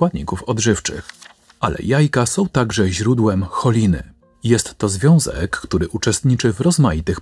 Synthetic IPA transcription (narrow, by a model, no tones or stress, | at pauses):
wad̪ɲikufɔd̪ʐɘft͡ʂɘ̰x | ʔalɛ̰jajkasɔ̃w̃t̪aɡʐɛʑɾud̪wɛmxɔlʲinɘ̰ | jɛst̪ːɔzvʲjɔ̃w̃zɛ̰kːt̪uɾɘʔut͡ʂɛst̪ɲit͡ʂɘvɾɔzmajit̪ɘx